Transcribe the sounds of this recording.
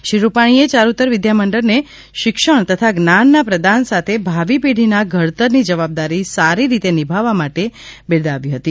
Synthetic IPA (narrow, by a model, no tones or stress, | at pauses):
ʃɾiɾupaɽ̃iet͡ʃaɾut̪əɾʋɪd̪jaməɳɖəɾne | ʃɪkʃəɳ̃t̪ət̪ʰaɡnanːapɾəd̪ʱansat̪ʰebʱaʋipiɽ̤ʱinaɡʱəɭt̪əɾnid͡ʒəʋab̚d̪aɾisaɾiɾit̪enɪbʱaʋːamaʈebɪɾd̪aʋiɦət̪i